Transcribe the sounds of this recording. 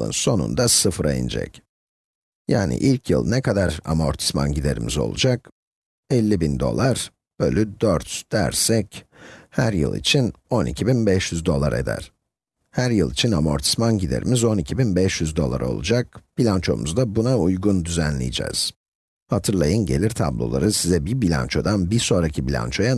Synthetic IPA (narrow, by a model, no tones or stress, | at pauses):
ɯ̰nso̞nṵnd̪asɯfɾʔa̰jḭnd͡ʒɛ̰c | ja̰ːnḭʔilʲcʰjɯ̰lˠnɛkʰad̪aɾa̰mo̞̰ɾt̪ʰi̥sma̰nɟid̪e̞ɾimizo̞̰lˠṵd͡ʒak | ɛlʲːibind̪o̞̰lˠaɾ̥ | b̥ølʲyd̪øɾt̪d̪̥æ̰ɾsɛchæɾjɯ̰lˠḭt͡ʃʰino̞nicʰibinbɛʃjyzd̪o̞lˠaɾe̞̰d̪æ̰ɾ̥ | hæɾjɯlˠit͡ʃʰinamo̞̰ɾt̪ʰi̥smanɟid̪e̞̰ɾʔimizo̞nicʰibinbɛʃjyzd̪o̞lˠa̰ɾo̞̰lˠṵd͡ʒak̚b̥ilʲant͡ʃʰo̞̰mṵzd̪abunaujɡund̪yzænlʲḭjid͡ʒɛ̰ːz̥ | hat̪ʰɯɾlˠajɯnɟe̞lʲiɾt̪ʰa̰blˠolˠa̰ɾɯsizɛbibilʲa̰nt͡ʃʰo̞d̪anbiɾso̞nɾacʰibilʲa̰nt͡ʃʰo̞ja